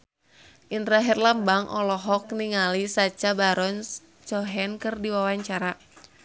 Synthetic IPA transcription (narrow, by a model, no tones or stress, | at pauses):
ʔindɾaɦɛrlambaŋʔɔ̰lɔɦɔk̚niŋalisat͡ʃabaɾɔn | t͡ʃɔɦɛnkɨrdiwawaɲt͡ʃaɾa